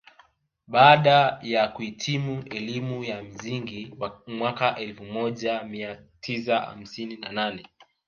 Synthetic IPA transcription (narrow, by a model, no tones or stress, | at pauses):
ɓaːɗajakuitʰimuʔɛlimujam̩ziŋɡimwakaʔɛlfumɔʄamiatʰis̬aha̰m̩sininananɛ